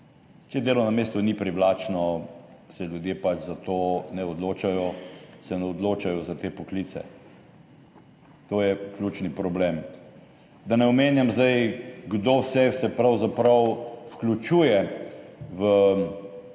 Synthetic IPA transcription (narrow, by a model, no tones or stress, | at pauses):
t͡ʃɛd̪eːlɔnameːst̪unipɾiwlaːt͡ʃnɔ | sɛljʊd̪jepat͡ʃzat̪onɛɔd̪loːt͡ʃajɔsɛnɛɔd̪loːt͡ʃajɔzat̪eːpɔklit̪sɛ̰ | t̪oːjɛklʲut͡ʃnipɾɔblem | d̪anɛɔmeːnjamzd̪ajɡd̪owsɛsɛpɾawzapɾɐwfklʲut͡ʃuːjɛ | ʋə